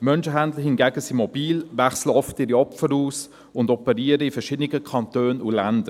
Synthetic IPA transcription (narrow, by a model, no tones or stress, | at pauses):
mœnʃəɦændləhɪnɡæːɡəsimɔb̥iːlvæχsləɔftɪːɾiɔpfəɾuːs | ʊndɔpəɾiːəɾəifəɾʃɪdənɪɡəkʰɑntøːnulændə